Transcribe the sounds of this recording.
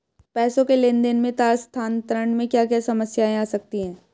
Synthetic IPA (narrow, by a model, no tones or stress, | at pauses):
pɛːsõkeleːnd̪enmẽt̪aːst̪ʰaːnt̪ɾəɳmẽkjaːkjaːsɐməsjaẽaːsɐk̚t̪iɦɛ̃ː